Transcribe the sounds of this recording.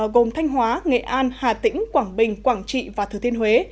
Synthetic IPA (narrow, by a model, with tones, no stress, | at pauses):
ɣo˨˩mt̪ʰa˧jŋ̟ɦwaː˨˦ŋḛ˧˨ʔaː˧nhaː˨˩t̪ï˧˥ŋ̟kwaː˧˩ŋɓï˨˩ŋ̟kwaː˧˩ŋt͡ɕḭ˧˨vaː˨˩t̪ʰɨ˨˩t̪i˧ənhwe˨˦